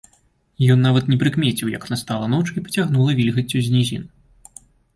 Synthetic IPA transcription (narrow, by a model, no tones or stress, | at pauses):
jɔnːavɐt̪nʲɛpɾɨkmʲet͡sʲiwjɐ̰knɐst̪alˠɐnɔt͡ʂipɐt͡sʲaɣnulˠɐvʲilʲɣɐt͡sʲːuzʲnʲizʲḭn